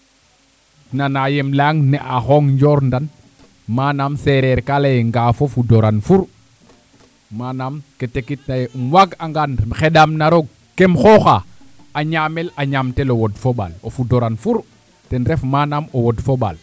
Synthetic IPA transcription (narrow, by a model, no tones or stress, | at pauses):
nanajemlaŋneʔaxoŋɲd͡ʒoɾndan | maːnamseɾeɾkalajeŋɡaːfofudoɾanfuɾ | manamketekit̚najemwaɡaŋɡanxedamnaɾoɡ̚ | kemxoxa | aɲamelaɲamtelowodfoɓa̰lofudoɾanfuɾ | tenɾefmaːnamowodfoɓa̰l